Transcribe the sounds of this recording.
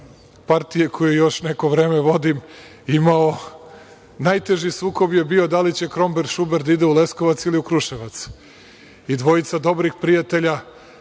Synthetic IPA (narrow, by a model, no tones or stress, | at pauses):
paɾt̪ijekʰojujo̞ʃneko̞ʋɾe̞ːmeʋo̞d̪im | imao | najt̪e̞ʒisuːko̞bjebio̞d̪alit͡ɕe̞kɾo̞mbeɾʃubeɾd̪aid̪eule̞sko̞ʋat̪siliukɾuʃeʋat̪s | id̪ʋo̞it̪sad̪o̞bɾixpɾijat̪e̞ʎa